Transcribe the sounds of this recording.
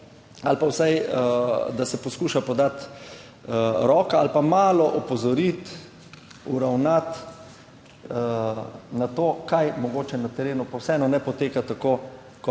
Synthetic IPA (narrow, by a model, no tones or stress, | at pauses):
alpawsaj | d̪asɛpɔskuːʃapɔd̪at̪ | ɾɔːkaalpamaːlɔʔɔpɔzɔɾit̪ | uɾawnat̪ | nat̪oːkajmɔɡoːt͡ʃɛnat̪ɛɾeːnupawsɛɛnɔnɛpɔt̪eːkat̪ako | kɔ